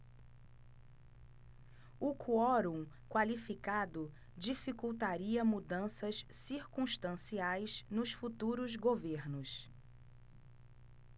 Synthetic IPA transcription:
ʊkʰuɔɾũ | kwalifikad̪ʊ | d͡ʒifikuwt̪aɾiɐmud̪ɐ̃sɐssiɾkũʃt̪ɐ̃siajznʊsfut̪uɾʊzɡoveɾnʊs

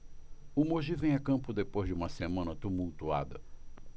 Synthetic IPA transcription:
ʊmoʒivẽj̃ɐkɐ̃mpʊd̪epojzd͡ʒɪũmɐsemɐ̃nɐt̪umuwt̪ua̰d̪ɐ̰

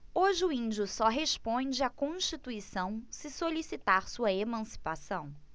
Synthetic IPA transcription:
oʒɪʊĩnd͡ʒʊsɔɦeʃpõd͡ʒɪakõʃt͡ʃit̪uisɐ̃w̃sɪsolisit̪aɾsuɐemɐ̃si̥pasɐ̃w̃

